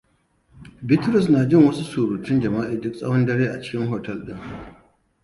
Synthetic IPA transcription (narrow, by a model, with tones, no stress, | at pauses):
bɪ˦tɾʊ˨s̬na˨d͡ʒɪ˦ŋwɐ˦su˦suː˨ɾuː˨tʊ˦nd͡ʒɐ˨maː˦ʔiː˨dʊ˦k̚sʼɐ̰˦wɔ˦ndɐ˦ɽeː˦ʔa̰˨t͡ʃɪ̥˦kʲɪ˦ŋɦoː˨tɐ˦lɗɪ˦ŋ